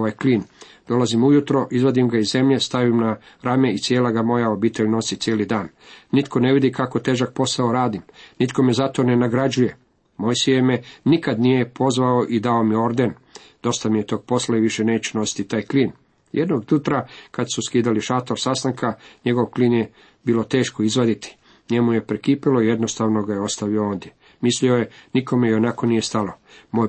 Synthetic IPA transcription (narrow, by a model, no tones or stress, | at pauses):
ajkliːn | d̪o̞lazimujut̪ɾo̞ʔizʋod̪imɡaizze̞mʎe̞st̪aʋimna | ɾame̞it̪sjeːlaɡamo̞jao̞biːt̪e̞ʎno̞sit̪sjeːlid̪aːnː | it̪kʰo̞ne̞ʋid̪ikako̞t̪eːʒak̚po̞sao̞ɾaːd̪imnit̪ko̞mezat̪o̞ne̞naɡɾad͡ʑuje̞ | mo̞jsiemenikad̪nijepʰo̞zʋao̞ʔid̪ao̞mio̞ɾd̪e̞n | d̪̥o̞st̪amijet̪oɡ̚po̞slaiʋiʃe̞neːt͡ɕuno̞si̥t̪it̪aːjkliːn | jed̪noɡd̪jut̪ɾakad̪suskiːd̪aliʃat̪oɾsast̪aŋkaɲe̞ɡo̞ʋkliːnje | biːlo̞t̪e̞ːʃkoizʋad̪it̪i̥ | ɲe̞muje̞pɾekiːpilo̞ijed̪no̞st̪aʋno̞ɡajeo̞st̪aʋiooːnd̪ʲje̞ | mislio̞je̞nikʰo̞meio̞nako̞nije̞st̪alo̞moj